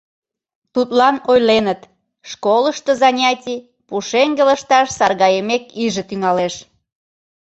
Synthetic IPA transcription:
t̪ut̪lɑnojlenət̪ | ʃkoləʃt̪əzɑnʲɑtʲi | puʃeŋɡeləʃt̪ɑʃsɑrɣɑjəmekiʒə̆t̪yŋɑleʃ

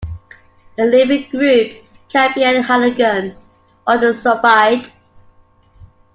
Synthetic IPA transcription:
ðəlɪvɪ̃ŋɡɹʉˑp̚ | t͡ʃʰæ̃mpiə̃nhaləɡə̃n | ɔdəsəbaɪd

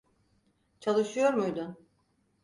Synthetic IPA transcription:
t͡ʃʰalˠɯʃɯjo̞ɾmujd̪ʊn

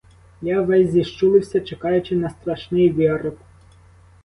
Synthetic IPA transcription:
jaʋɛzʲzʲiʃt͡ʃulˠɪwsʲɐt͡ʃekɑjʊt͡ʃɪnɐst̪ɾɐʃnɪjʋʲiɾɪp

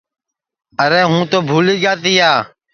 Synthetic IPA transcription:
əɾeːɦũːt̪oːbʱuːliːɡaːt̪iːaː

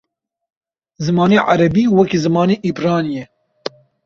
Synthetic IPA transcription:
zɨmɑːneːʕa̰ɾɛbiːwɛkizɨmɑːneːʔibɾɑːnjɛ

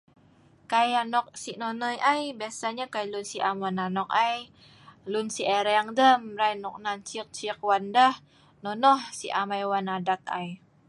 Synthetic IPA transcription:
kajanɔk̚sinɔnɔjʔajbiasaɲakajlunsiʔamananɔk̚aj | lunsieɾeaŋdəmɾajnɔk̚nant͡ʃik̚t͡ʃik̚wandah | nɔnɔhsiʔamajwanadat̪̚a̰j

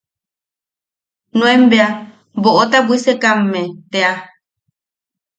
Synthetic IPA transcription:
nũẽmbea | boʔot̪abwisekamːẽt̪ea

